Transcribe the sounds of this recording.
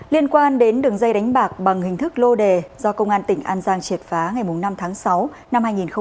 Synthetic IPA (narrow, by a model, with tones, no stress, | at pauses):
li˧ənkwaː˧nɗe˨˦nɗɨ˨˩əŋzə˧jɗa˨˦jŋ̟ɓaː˨˩k̚ɓa˨˩ŋhï˨˩ŋ̟t̪ʰɨ˦˥k̚lo˧ɗe˨˩zɔ˧kə˧wŋ͡mʔaː˧nt̪ï˧˩ŋ̟ʔaː˧nzaː˧ŋt͡ɕi˨˩ət̚faː˨˦ŋa˨˩jmʊ˨˩ŋ͡mna˧mt̪ʰaː˨˦ŋsa˨˦w | na˧mhaː˧jŋi˨˩nxə˧ŋ͡m